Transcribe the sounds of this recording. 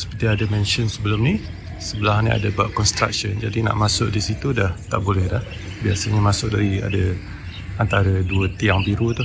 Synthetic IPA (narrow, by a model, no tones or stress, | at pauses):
sə̥pət̪iadamɛnʃənsəbəlʊmnĩ | səbəlaɦania̰dabaʔkɔnst̪ɾa̰k̚ʃɔnd͡ʒadina̰ʔmasʊʔ̚disit̪udaht̪aʔbolɛhdah | biasəɲamasʊk̚daɾia̰da | ant̪aɾəduət̪iaŋbiɾut̪uh